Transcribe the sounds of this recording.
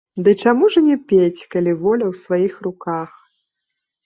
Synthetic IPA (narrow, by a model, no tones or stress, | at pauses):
d̪ɨt͡ʂamuʐɐnʲɛpʲet͡sʲkalʲivɔlʲɐwsvajixrukax